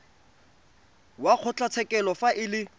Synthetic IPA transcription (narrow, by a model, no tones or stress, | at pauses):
wak͡xʰʊt͡ɬat͡sʰɛkʼɛlɔfaʔɪlɪ